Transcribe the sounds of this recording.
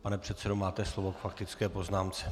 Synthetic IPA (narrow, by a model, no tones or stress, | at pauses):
panɛpr̝̥ɛt̪sɛdomaːt̪ɛslovokfakt̪ɪt͡skɛːpo̞znaːmt͡sɛ̥